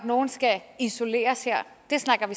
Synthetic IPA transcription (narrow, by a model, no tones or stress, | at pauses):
dno̝ːn̩sɡ̥æiso̝lḛːɐsheɐ̰d̥e̝snɑ̈ɡ̥ɐʋi